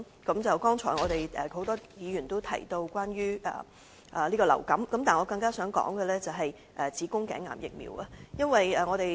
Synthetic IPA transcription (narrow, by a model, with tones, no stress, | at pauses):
kɐ˨˥mt͡sɐ˨wkɔː˥ŋt͡ʃʰɔː˨˩jŋɔː˨˧ɾe˨˩jʔɛ˨˩ho˨˥wt̪ɔː˥jiː˨˧jy˨˩nt̪o˥wt̪ʰɐ̰˨˩jt̪o˧wkwaː˥njyː˥ʔɛ̰ː˧˩ | ʔɛ˨liː˥kɔː˧lɐ̰˨˩wkɐ˨˥mkɐ˨˦mt̪aː˨˩ŋɔː˨˧kɐ˧ŋkaː˥sœː˨˥ŋkɔ̰ː˨˥ŋɡɛ˧lɛː˥t͡sɐ˨wɦɐ˨j | ʔɛ˨t͡siː˨˥kʊ˥ŋkɛ̰ː˨˥ŋːa̰ː˨˩mjɪ̰˨k̚mḭː˨˩wa˧jɐ˥nwɐ˨jɛː˨˩ŋɔ˨˧t̪e˨j